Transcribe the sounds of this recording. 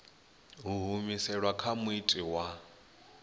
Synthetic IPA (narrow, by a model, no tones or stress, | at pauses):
ɦuɦumisɛɺwakʰamuitʼiwa